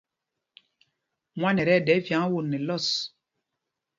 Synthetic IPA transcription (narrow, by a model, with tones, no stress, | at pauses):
mwa˦nɛ˨ɾɛ˦˨dɛ˨˦vja˨˦ŋ˦wo˦˨nːɛ˨lɔ˦˨s